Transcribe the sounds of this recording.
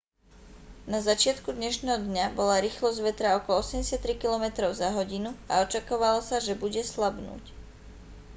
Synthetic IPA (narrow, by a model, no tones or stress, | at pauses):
nazat͡ʃɪat̪kud̪ɲɛʃnɛːɦɔd̪ɲabɔlaɾiːxlɔzʋɛt̪ɾaɔkɔlɔɔsɛmɟɛsɪat̪t̪ːɾikilɔmɛt̪ɾɔʊzaɦɔɟinuaɔt͡ʃakɔʋalɔsaʒɛbuɟɛslabnṵːc